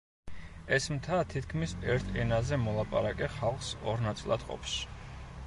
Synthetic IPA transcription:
ɛsmt̪ʰat̪ʰit̪̚ʰkʰmisɛɾt̪ʰɛnazɛmɔlˠapʼaɾakʼɛχalˠχsɔɾnat̪sʼlˠa̰d̪̥qʼɔ̰pʰs

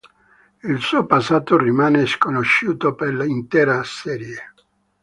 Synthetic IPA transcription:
ilsuːopasːaːt̪orimaːneskonoʃːuːt̪operlaint̪ɛːɾasɛːɾje

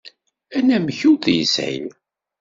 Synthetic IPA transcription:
ænæməçuθjəsʕḭj

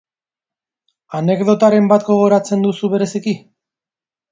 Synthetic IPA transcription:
ane̞kðo̞t̪aɾe̞mbat̪ɡo̞ɣ̞o̞ɾat͡se̞nd̪usuβe̞ɾe̞siki

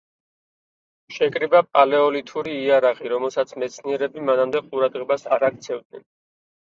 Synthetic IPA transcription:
ʃɛkʼɾibapʼalɛɔlit̪ʰuɾiːaɾaʁiɾɔmɛlˠsat̪sʰmɛt̪sʰniɛɾɛbimanamd̪ɛqʼuɾad̪ʁɛbasaɾak̚ʰt̪sʰɛvd̪̚nɛn

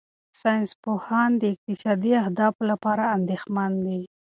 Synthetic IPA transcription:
sɑjnspohɑnd̪əɪq̚t̪ɪsɑd̪iahd̪ɑflapɑɾaːnd̪exmand̪i

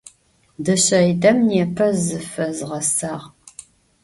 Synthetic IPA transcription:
dɨɕɐjdɐmnjɛpʰɐzɨfɐzʁɐsaːʁ

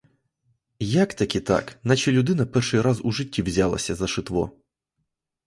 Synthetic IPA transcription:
jakt̪ɐkʲit̪a̰knat͡ʃɛlʲʊd̪ɪnɐpɛrʂɨjɾazuʐɪtʲːiwzʲalˠɐ̰sʲɐzɐʃɪt̪ʋɔ̰

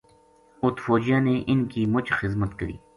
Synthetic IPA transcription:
ʊt̪foːd͡ʒijãːneːʔɪnkiːmʊt͡ʃxɪzmət̪kəɾḭː

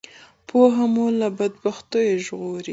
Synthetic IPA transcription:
pʰoɦamulabad̪̚baxt̪ojeʒɣoɾi

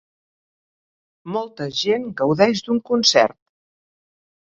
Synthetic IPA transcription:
mɔlˠt̪əʒenɡəwðɛʒd̪uŋkunsɛ̰rt̪̚

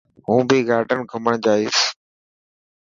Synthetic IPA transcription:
ɦũːbiːɡaːɾɖənɡʰʱəməɳ̃d͡ʒaːɪːs

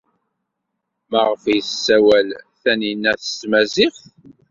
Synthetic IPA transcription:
mæʁəfjθsːæwælθæninːæθə̥st̪mæzɪfθ

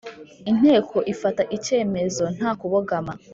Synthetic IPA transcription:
in̥he̞ːkʰo̞ʔifataʔice̞ːme̞zo̞n̥haːkuβoɡama

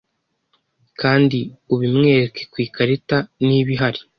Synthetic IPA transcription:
kaːndiuβimŋe̞ɾeke̞̥kwiːkaɾetaniβiɦaɾi

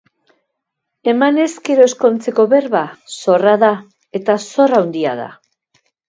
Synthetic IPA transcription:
e̞mane̞sɡe̞ɾo̞e̞sko̞nt͡se̞ko̞βe̞ɾβaso̞raða | e̞t̪aso̞rawnd̪ia̰ð̞a̰

